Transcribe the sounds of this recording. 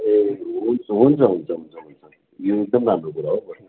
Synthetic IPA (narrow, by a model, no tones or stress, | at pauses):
eɦunt͡sʰʌɦunt͡sʰʌɦunt͡sʰʌɦunt͡sʰʌɦunt͡sʰʌ | joek̚d̪ʌmramrokuɾaɦobʌ